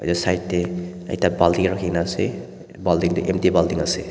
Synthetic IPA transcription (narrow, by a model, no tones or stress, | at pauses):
a̰jdɔsajtːeɐ̰jtabaldiŋɾakʰinase | baldiŋdiʔemtibaldiŋase